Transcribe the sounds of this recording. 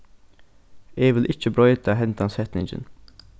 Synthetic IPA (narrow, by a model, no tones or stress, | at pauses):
eːʋɪlʔɪt͡ʃːəbɾɔʏt̪aɦɛnt̪ansɛt̪nɪ̰ŋd͡ʒə̰n